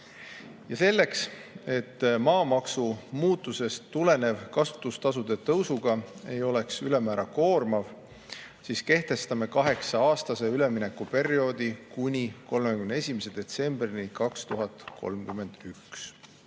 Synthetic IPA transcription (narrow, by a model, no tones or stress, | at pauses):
jɑse̞lːe̞kse̞t̪ːmɑːmɑksumuːt̪ːˑuse̞st̪ːule̞ne̞vkɑsu̥t̪ˑːust̪ɑsud̪̥e̞t̪ɤwsuɡ̥ɑe̞jo̞le̞ksylemæːɾɑko̞ːrmɑv | siːske̞ht̪e̞st̪ɑme̞kɑɦe̞ksɑɑːst̪ɑse̞yle̞mine̞kːupe̞ɾio̞ːd̪̥ikunʲiko̞lmekymnee̞sʲimese̞d̪̥e̞t̪se̞mb̥rinikɑkst̪uɦɑt̪kʰo̞̰lmkymːˑe̞nd̪̥yks